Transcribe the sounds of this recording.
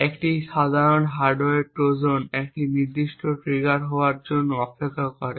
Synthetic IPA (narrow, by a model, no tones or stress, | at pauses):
ekʈiʃad̪ʱaɾonɦaɾɖoeɾpɾod͡ʑonek̚ʈiniɾd̪iʃʈʰoʈɾiɡaɾɦɔaɾd͡ʑonːoɔpekʰːakɔɾe